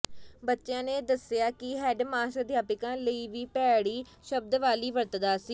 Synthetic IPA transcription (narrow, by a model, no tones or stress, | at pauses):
bətːʃjãːneːd̪əsɪjaːkɪɦɛːɖmaːsəd̪ʱjaːpɪkãːləiːʋiːpɛːɽiː | ʃəb̚d̪ʋaːliːʋəɾt̪d̪aːsiː